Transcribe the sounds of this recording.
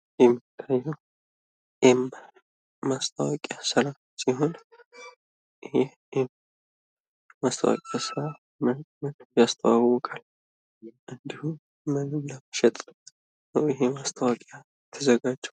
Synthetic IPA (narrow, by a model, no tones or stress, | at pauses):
jɛmːɨt̪ʰːajːɛw | ʔem | mast̪ʼʰəwakʼjasəɾa | siɦo̞n | ʔɨhɛ | em | mast̪ʰəwa̰kʼjasɨɾa | mənʼmət̪jast̪ʰəwawɔkʼal | ʔɨnd̪ihu | mənɨnːaməʃɛt̪ʼ | nəwɪɦemast̪ʰəwakʼja | t̪ʰːəzəɡad͡ʒːɛw